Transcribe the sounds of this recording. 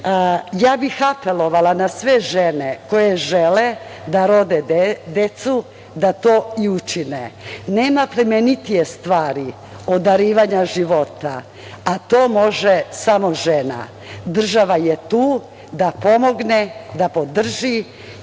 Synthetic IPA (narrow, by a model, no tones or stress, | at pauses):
jaːbixape̞lo̞ʋalanasʋeʒeneko̞jeʒeled̪aɾo̞d̪ed̪e̞t̪su | d̪at̪o̞ːiut͡ʃineneːmapɾemenit̪ijest̪ʋaːɾi | o̞d̪aɾiːʋaɲaʒiʋo̞t̪a̰ | at̪o̞ːmo̞ʒesamo̞ʒena̰ | d̪r̩ʒaʋajet̪uː | d̪apo̞mo̞ɡned̪apo̞d̪r̩ʒi